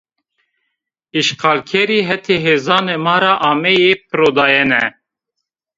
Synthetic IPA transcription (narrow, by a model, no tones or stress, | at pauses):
iʃqʰɑːlkʰɛɾiːɦɛt̪ʰeɦeːzɑːnemɑːɾɑːʔɑːmɛjep̚ʰɨɾoːd̪ɑːjɛnɛ